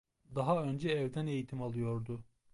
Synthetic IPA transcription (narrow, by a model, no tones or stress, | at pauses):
d̪aɦaø̞nd͡ʒɛːvd̪æne̞jit̪ʰimalˠɯjo̞ɾd̪ʊ